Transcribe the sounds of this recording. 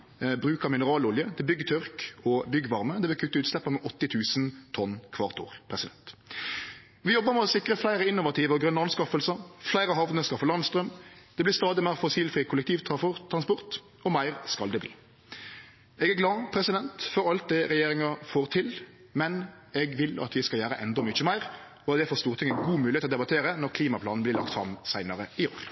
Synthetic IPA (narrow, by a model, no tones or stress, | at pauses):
bɾʉːkəmɪnəɾɑːlʊljəd̪ɛbʏɡːət̪ʰʏʁkɔbʏɡːʋɑʁməd̪ɛbɪkʰʉt̪ːəʉːt̪slɛpːəmɛʔɔt̪ːɪt̪ʰʉːsnt̪ʰɔnkʰʋɑʁt̪ʰʊ̰ʁpʰɾʁɛsɪd̪ɛnt̪ | ʋɪjɔbːəmɛɔsɪkɾəflæɪɾəɪnːʊʋɑt̪ʰiːʋəɔɡʁœnːəɑɑnskɑfəlsəflæɪɾəɦɑʋnəskɑfəlɑnst̪ɾœmd̪̥ɛblɪst̪ɑːd̪ɪmæɪʁfɔsiːlfʁiːkʰʊlɛk̚t̪ʰiːʋt̪ʰɑɔt̪ʰːɾɑnspɔʁt̪ | ɔmæɪʁskɑld̪ɛblḭː | ɛɡæɡlɑːpʰɾɛsɪd̪ɛnt̪fɔɾɑlt̪̚d̪ɛɾɛjeːɾɪŋɑfoːʁt̪ʰɪl | mɛn | ɛɡʋɪlɑ̰t̪ʋɪskɑljæːɾəʔɛnd̪ɔmʏçəmæɪʁ | ɔd̪ɛfɔʁst̪uːʁt̪ɪŋəɡuːmʉːlɪet̪ɔd̪ɛbɑt̪ʰeːɾənɔɾkʰliːmɑpʰlɑːnn̩blɪʁlɑ̰k̚t̪fɾɑ̰msæɪnəʁəɪoːɾ